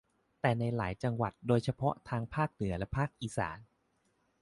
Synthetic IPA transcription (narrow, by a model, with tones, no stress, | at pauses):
t̪ɛː˨˩na˧jla̰ː˩˦jt͡ɕa˧ŋwa˨˩t̪̚doː˧jt͡ɕʰa˧pʰɔ˦˥t̪ʰaː˧ŋpʰaː˥˩k̚nɯ˩˦ɐlɛ˦˥pʰaː˥˩k̚ʔiː˨˩sa̰ː˩˦n